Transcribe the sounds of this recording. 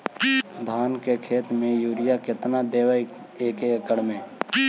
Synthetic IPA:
d̪ʱaːnkekʰeːt̪mẽjuːɾɪjakɪt̪nad̪eːwəeːkeəkəɽmẽː

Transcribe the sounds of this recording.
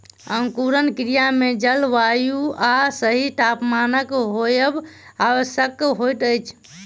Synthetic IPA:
əŋkuɾənkɾijamed͡ʒəlʋajuasəɦiʈapmanəkɦojəbaʋəsjəkːɦojʈəjt͡ʃʰ

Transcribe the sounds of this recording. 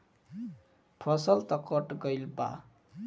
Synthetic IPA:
pʰʌsʌlt̪ʌkɔʈɡʌjlpa̰

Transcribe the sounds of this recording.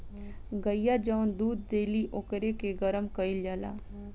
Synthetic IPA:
ɡəjad͡ʒənd̪uːd̪̚d̪eːliʔokɾekeɡəɾəmkəild͡ʒala̰ː

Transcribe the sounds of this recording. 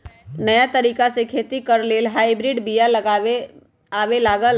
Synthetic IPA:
nəjat̪əɾikasekʰet̪ikəɾlelɦaibɾiɖbijaləɡae | aʋelaɡəl

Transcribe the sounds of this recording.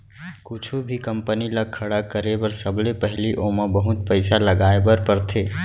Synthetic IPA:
kut͡ʃʰubʱikəmpəniləkʰːəɽakːəɾebəɾsəblepəɦiliʔoməbəɦut̪̚pəɪsaləɡaebəɾpəɾt̪ʰe

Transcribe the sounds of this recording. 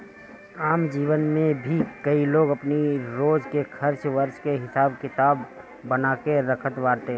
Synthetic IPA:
aːmd͡ʒiːʋənmẽbʱikɐiloːɡɐpniɾoːd͡ʒkexkʰɐɾt͡ʃʋəɾt͡ʃkeɦɪsaːbkɪt̪aːbː | ənaːkeɾɐkʰət̪ʋaːɾt̪eɦ

